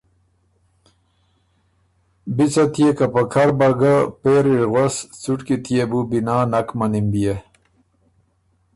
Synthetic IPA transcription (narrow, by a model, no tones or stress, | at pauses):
bit͡sat̪ijekapɐkʰaɾbaɡapeɾiɾɣwast͡suʈkit̪ʰijebubinaːnakmanimbije